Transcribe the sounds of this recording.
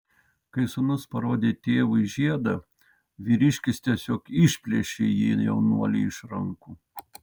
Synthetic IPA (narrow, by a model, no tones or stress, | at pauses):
kɐɪsʊnʊspɐɾoːd̪ʲeːt̪ʲeːʋʊɪʒʲiɛd̪ɐ | ʋʲiːɾʲɪʃʲkʲɪst̪ʲiɛsʲoːkɪʃʲpʲlʲiɛʃʲeːjiːjɛʊnuɔlʲɛɪʃɾɐŋkuː